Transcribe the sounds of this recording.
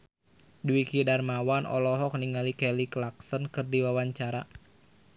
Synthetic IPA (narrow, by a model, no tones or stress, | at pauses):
duwikidarmawanɔ̰lɔɦɔk̚niŋalikɛliklaksɔnkɨrdiwawaɲt͡ʃaɾa